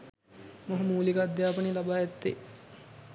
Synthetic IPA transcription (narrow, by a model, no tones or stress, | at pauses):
moɦɐmuːlikəad̪jaːpənelabaːɛt̪ːḛ